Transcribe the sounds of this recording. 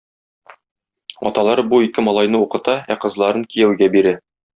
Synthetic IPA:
ɒ̰t̪ɑlˠɑɾbuikɘmɒlˠɑjn̪ɤuqɤ̆t̪ɑæqɤ̆zlˠɑɾɤŋkijæwɡæbiɾɘ

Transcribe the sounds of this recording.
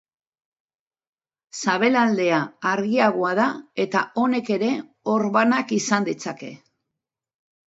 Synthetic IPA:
saβ̞e̞lald̪e̞aːɾɣiaɣ̞o̞aðae̞t̪a̰o̞ne̞ke̞ɾe̞ | o̞ɾβanakisand̪it͡sake̞̰

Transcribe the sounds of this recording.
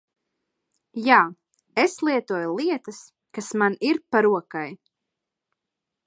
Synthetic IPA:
jaː | eslˠiɛt̪uɔjulˠiɛt̪ɐs | kasmaniɾpaɾuɔkaj

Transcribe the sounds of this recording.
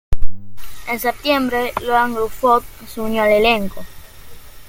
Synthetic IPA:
ensep̚t̪jembɾelwaŋlufot̪̚suɲjoaleleŋko

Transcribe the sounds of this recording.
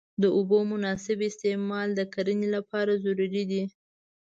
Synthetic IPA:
d̪əʊbomʊnɑsɪbɪst̪ɪmɑld̪əkaɾənelapɑɾazʊɾuɾid̪i

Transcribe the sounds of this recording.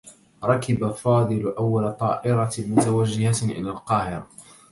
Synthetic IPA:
ɾˤɑkɪbafɑːd̪ˤɨlʔawːalat̪ˤɑːʔɪɾɑmʊt̪awad͡ʒːɪhaʔɪ̰laːlqɑːhɪɾa

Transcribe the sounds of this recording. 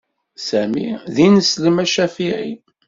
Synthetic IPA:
sæmḭðinəsləmæʃæfiʕḭ

